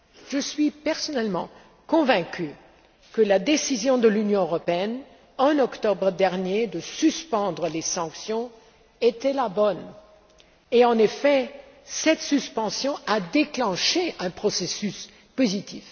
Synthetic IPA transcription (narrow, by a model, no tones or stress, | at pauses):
ʒəsɥipɛʁsɔnɛlmɑ̰̃ | kɔ̃vɛ̃kʲy | kəlad̪esizjɔ̃d̪əlynjɔ̃øʁɔpeɛn | ɛ̃nɔkt̪ɔbʁəd̪ɛʁnjed̪əsyspɑ̃d̪ʁəlesɑ̃ksjɔ̃ | et̪ɛlabɔn | eɑ̃nefɛ | sɛt̪syspɑ̃sjɔ̃ad̪eklɑ̃ʃeʔɛ̃pχɔsesys | pozit̪if